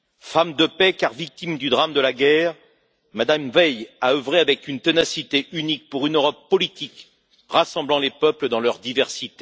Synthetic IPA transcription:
famd̪əpɛkaʁvik̚t̪imd̪yd̪ʁamd̪əlaɡɛːʁ | mad̪amvɛjaøvʁeavɛkynt̪enasit̪eʔynik̚puʁynøʁɔpːɔlit̪ik | ʁasɑ̃blɑ̃lepœpləd̪ɑ̃lœʁd̪ivɛʁsit̪e

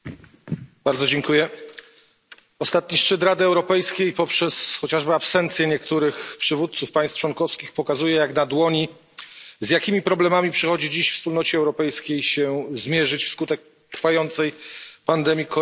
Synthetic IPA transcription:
b̥aɾd̪zɔd͡ʑɛŋkujɛ | ɔst̪at̪̚ɲiʂt͡ʂɘt̪ɾad̪ɘɛwɾɔpɛjskʲejpɔpʂɛsxɔt͡ɕaʐbɘapsɛnt̪sʲjɛɲɛkt̪uɾɘxpʂɘvut̪̚t̪sufpaj̃st̪t͡ʂwɔnkɔfskʲixpɔkazujɛjaknad̪wɔɲi | zjakʲimʲipɾɔblɛmamʲipʂɛxɔd͡ʑid͡ʑiɕfspulnɔt͡ɕɛɛwɾɔpɛjskʲejɕɛzmʲjɛʐɘt͡ɕfskut̪ɛk̚ | t̪ɾfajɔnt̪sɛjpand̪ɛmʲjikʰɔ

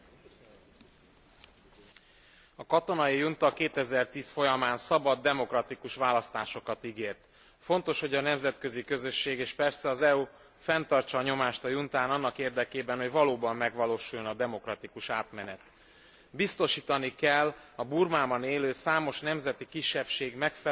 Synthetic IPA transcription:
ɒkɒt̪o̞nɒjijunt̪ɒkeːt̪ɛzɛrt̪iːsfo̞jɒmaːnsɒbɒd̪ːɛmo̞krɒt̪ikuʃʋaːlɒst̪aːʃo̞kɒt̪iɡeːrt̪ | fo̞nt̪o̞ʃho̞ɟɒnɛmzɛt̪køzikø̞zø̞ʃːeːɡeːʃpɛrsɛɒzɛu | fɛnt̪ɒrt͡ʃɒːɲo̞maːʃt̪ɒjunt̪aːnɒnːɒkeːrd̪ɛkeːbɛnho̞ɟvɒloːbɒmːɛɡʋɒloːʃujonɒd̪ɛmo̞krɒt̪ikuʃaːt̪mɛnɛt̪ | bist̪o̞ʃiːt̪ɒnikɛlːɒburmaːbɒneːløːsaːmo̞ʃnɛmzɛt̪ikiʃːɛpʃeːɡmɛkfɛ

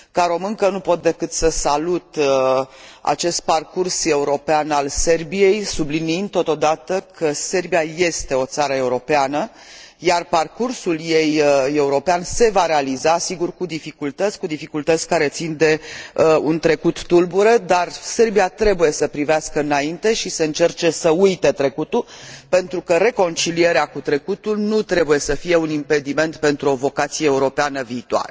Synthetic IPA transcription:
kaɾo̞mɨŋkənupo̞t̪̚d̪e̞kɨt̪səsalut̪ | a̰t͡ʃe̞st̪̚parkurse̞uɾo̞peanalse̞rbije̞jsubliniind̪̚t̪o̞t̪o̞d̪at̪əkʰəse̞rbijaje̞st̪e̞o̞t̪saɾəe̞uɾo̞peanə | jarparkursulje̞je̞uɾo̞peanse̞vaɾe̞alizasiɡurkud̪ifikult̪ət̪sʲkud̪ifikult̪ət̪sʲkaɾe̞t̪sind̪e̞əunt̪ɾe̞kut̪ːulbuɾəd̪arse̞rbiat̪ɾe̞buje̞səpɾiveaskəɨnaint̪e̞ʃiseɨnt͡ʃe̞rt͡ʃe̞səujt̪et̪ɾe̞kut̪ulpe̞nt̪ɾukəɾe̞ko̞nt͡ʃilieɾeakut̪ɾe̞kut̪ulnut̪ɾe̞buje̞səfije̞unimpe̞d̪ime̞nt̪pe̞nt̪ɾuo̞vo̞kat̪sijeeuɾo̞peanəviːt̪oa̰ɾe

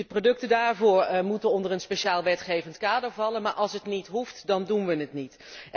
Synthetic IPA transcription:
əprodɵk̚tədaːɹvʊːɹmutənɔndərənspeʃaːlˠʋɛtχejvəntkaːdəɹvɑlənmaːɹʔɑlˠsɦətnitɦuftdɑndunʋənətnit

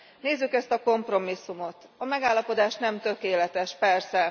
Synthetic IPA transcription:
neːzːykɛst̪ɒko̞mpro̞misːumo̞t̪ | ɒmɛɡaːlːɒpo̞d̪aːʃnɛmt̪ø̞keːlɛt̪ɛʃpɛrsɛ

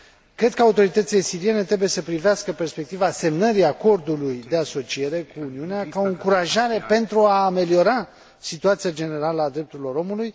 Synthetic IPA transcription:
kɾe̞d̪̚kəaut̪o̞ɾit̪ət̪sile̞siɾie̞ne̞t̪ɾe̞buje̞səpɾiveaskəpe̞rspe̞k̚t̪ivase̞mnəɾiako̞rd̪ulujd̪e̞aso̞t͡ʃie̞ɾe̞kuːniuneakao̞ɨŋkuɾaʒaɾe̞pe̞nt̪ɾuaːme̞lio̞ɾa | sit̪uat̪sijad͡ʒe̞ne̞ɾaləad̪ɾe̞p̚t̪uɾilo̞ɾo̞muluj

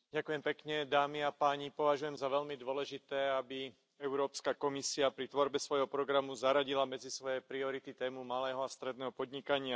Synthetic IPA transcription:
ɟakujɛmpɛkɲɛd̪aːmiapaːɲipɔʋaʒujɛmzaʋɛʎmid̪ʋɔlɛʒit̪ɛːabi | ɛʊɾɔːpskakɔmisiapɾit̪ʋɔɾbɛsʋɔjɦɔpɾɔɡɾamuzaɾaɟilamɛd͡zisʋɔjɛpɾiɔɾit̪it̪ɛːmumalɛːɦɔast̪ɾɛd̪nɛːɦɔpɔd̪ɲikaɲɪa

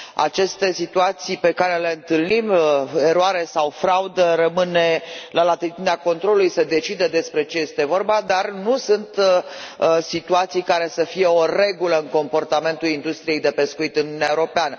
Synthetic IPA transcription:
a̰t͡ʃe̞st̪e̞sit̪uat̪sijpe̞kaɾele̞ɨnt̪ɨlnime̞ɾoaɾe̞sawfɾaud̪əɾəmɨnelalat̪it̪ineako̞nt̪ɾolulujse̞d̪e̞t͡ʃid̪əd̪e̞spɾe̞t͡ʃe̞je̞st̪e̞vo̞rbad̪arnusunt̪ | sit̪uat̪sijkaɾe̞səfije̞o̞re̞ɡuləɨŋko̞mpo̞rt̪ame̞nt̪ulind̪ust̪ɾije̞jd̪e̞pe̞skuit̪ɨnununaeuɾo̞peanə

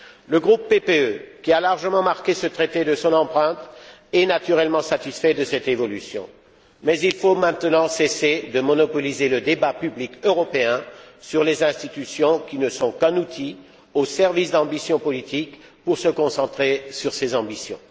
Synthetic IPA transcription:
ləɡʁupːepeøkʲialaʁʒəmɑ̃maʁkʲesət̪χet̪ed̪əsɔ̃nɑ̃pχɛ̃t̪ɛnat̪yʁɛlmɑ̃sat̪isfɛd̪əsɛt̪evɔlysjɔ̰̃ | mɛzilfomɛ̃t̪nɑ̃sesed̪əmɔnɔpɔlizeləd̪ebapyblikøʁɔpeɛ̃syʁlezɛ̃st̪it̪ysjɔ̃kʲinəsɔ̃kɛ̃nut̪ʰi | osɛʁvisd̪ɑ̃bisjɔ̃pɔlit̪ik | puʁsəkɔ̃sɑ̃t̪χesyʁsezɑ̃bisjɔ̰̃

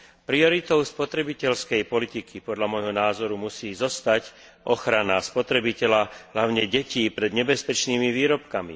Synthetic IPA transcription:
pɾiɔɾit̪ɔʊspɔt̪ɾɛbicɛʎskɛjpɔlit̪ikʰipɔd̪lʎamɔjɦɔnaːzɔɾumusiːzɔst̪ac | ʔɔxɾanaspɔt̪ɾɛbicɛʎaɦlaʊɲɛɟɛciːpɾɛd̪ɲɛbɛspɛt͡ʃniːmiʋiːɾɔpkamḭ

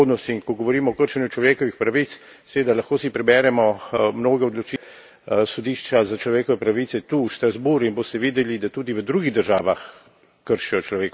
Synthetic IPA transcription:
oːd̪nɔst̪inkɔɡɔʋɔɾiːmɔːkəɾʃɛnjut͡ʃlɔʋeːkɔʋixpɾaʋit̪s | sɛʋeːd̪alɐxkoːsipɾɛbɛːɾɛmɔmnoːɡɛɔd̪lɔt͡ʃi | sɔd̪iʃt͡ʃazat͡ʃlɔʋeːkɔʋɛpɾaʋit̪sɛt̪uʃt̪ɾazbuɾinbost̪ɛʋiːd̪ɛlid̪at̪uːd̪iʋəd̪ɾuːɡiɣd̪əɾʒaːʋax | kəɾʃijɔt͡ʃlɔʋeːk

